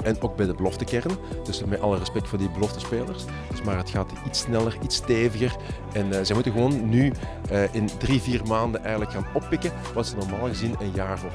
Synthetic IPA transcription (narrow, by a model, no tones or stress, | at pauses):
ɛnoːɡ̚bɛjdəbəlɔftəkɛrənd̥ɵsmɛtʔɑlˠərɛspɛk̚fʊːrdibəlɔftəspeːlərs | d̥ɵsmaːrɦətxaːtitsnɛləritsteːvəɣər | ɛnzɛjmutənɣəʋoːnːy | ʔɪndriviːrmaːndənʔɛjɣələkxaːnɔpːɪkə | ʋɑtsənɔrmaːlˠɣəzinənjaːrvʊːr